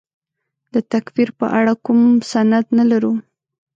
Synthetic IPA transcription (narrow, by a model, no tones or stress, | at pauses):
d̪ət̪akfiɾpə̰ʔaɽakumsanad̪nalaɾu